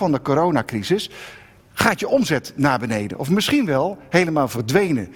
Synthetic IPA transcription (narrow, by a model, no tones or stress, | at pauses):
ɑndəkoːɾownaːkrizɪs | χaːtjəʔɔmzɛtnaːɹbənejdə̰nʔɔfmɪsχinʋɛlˠhejləmaːlˠvəɹdʋejnə